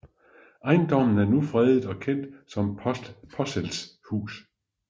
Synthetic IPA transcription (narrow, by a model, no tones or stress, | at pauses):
ɑ̈ɪnd̥ɒ̽mn̩æɐnufʁɛð̩ˠɒ̽kʰen̰d̥sɒ̽mpʰɒ̽selshṵːs